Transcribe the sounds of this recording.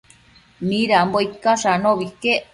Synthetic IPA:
miɾambojkaʃanoβike

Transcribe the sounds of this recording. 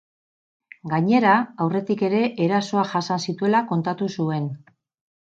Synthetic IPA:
ɡaɲe̞ɾaːwre̞t̪ike̞ɾe̞ʔeɾaso̞aʝasansit̪ue̞lako̞nt̪at̪usue̞n

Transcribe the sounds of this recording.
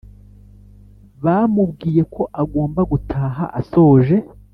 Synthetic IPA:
βamub̚ɡiːje̞kʰo̞ʔaɡoːmbaɡutʰaːɦa̰ʔaso̞ːʒe̞

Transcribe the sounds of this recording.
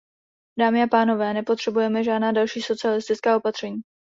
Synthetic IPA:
daːmɪapaːno̞vɛːnɛpo̞t̪r̥ɛbujɛmɛʒaːdnaːdalʃiːso̞t͡sɪalɪst̪ɪt͡skaːo̞pat̪r̝̥ɛɲiː

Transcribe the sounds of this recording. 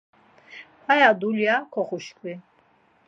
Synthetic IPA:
pʰajad̪uljakʰɔχuʃkʰʼwi

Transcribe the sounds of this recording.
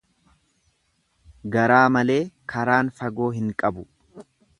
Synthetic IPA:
ɡɐɾaːmɐle̞ːkʰɐɾaːnfɐɡo̞ːɦɪŋkʼɐbʊ

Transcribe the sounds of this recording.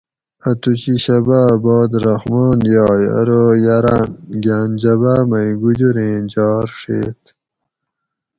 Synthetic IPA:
at̪ut͡ɕiɕɐbaːbɔːd̪ɾahmɔːnjɑːja̰ɾojaɾaːnɡaːnd͡ʑɐbaːmajɡud͡ʑuɾẽːd͡ʑɑːɾʂḛːt̪

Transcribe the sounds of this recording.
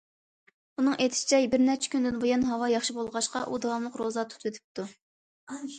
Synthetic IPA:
unɨŋet̪ʰɪ̥ʃi̥t͡ʃʰɛbɪɾnɛpt͡ʃʰɛ̥kʲynd̪ɪnbojɑnɦɑwɑjɑχʃibolˠʁɑʃqɑʔud̪ɑwɑmlˠəqɾozɑt̪ʰu̥t̪ʰwet̪ʰɪ̥p̚t̪u

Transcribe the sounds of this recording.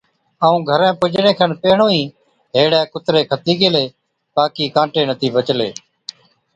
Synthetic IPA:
aːũːɡʱəɾẽːpʊd͡ʒɳeːkʰənpeːɳõːĩː | ɦeːɽɛ̃ːkʊt̪ɾeːkʰət̪iːkeːleː | baːkiːkãːʈeːnət̪ʰiːbət͡ʃleː

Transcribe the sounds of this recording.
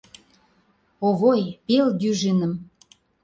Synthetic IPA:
oɣojpelɡyʒenə̆m

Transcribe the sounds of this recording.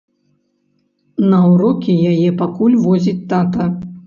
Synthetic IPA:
nɐwɾɔkʲijajɛpakulʲvɔzʲit͡sʲt̪at̪ɐ

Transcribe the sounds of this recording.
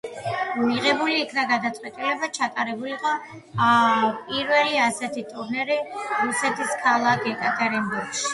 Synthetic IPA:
miʁɛbuliːkʰnaɡad̪at̪sʼwɛt̪ʼilɛbat͡ʃʰat̪ʼaɾɛbuliqʼɔ | pʼiɾvɛliasɛt̪ʰit̪ʼuɾnɛɾiɾusɛt̪ʰiskʰalˠakʰɛkʼat̪ʰɛɾɛmbuɾɡʃi̥

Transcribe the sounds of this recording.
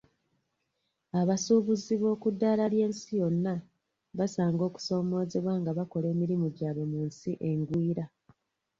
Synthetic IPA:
aβasuːβuziβo̞ːkudːaːlalje̞ːnsijo̞nːa | βasaːŋɡo̞ːku̥so̞ːmo̞ːze̞βwaːŋɡaβako̞le̞ːmiɾimuɟaːβonuːnsiʔe̞ŋɡwiːɾa

